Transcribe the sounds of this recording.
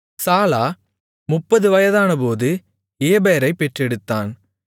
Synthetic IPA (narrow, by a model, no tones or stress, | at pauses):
saːlaː | mʊpːɐðɯʋɐjɐðaːnɐpoːðɯ | eːbejɐɾɐɪpːɛʈrɛɽɯt̪ːaːn